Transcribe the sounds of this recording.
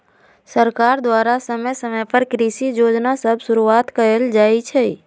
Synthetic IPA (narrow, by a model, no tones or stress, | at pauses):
səɾkaːɾd̪waːɾasəməjsəməjpəɾkɾiːʃijoːd͡ʒnasəbʱsʊɾuaːt̪kɐɾəld͡ʒaːit͡ʃʰɛ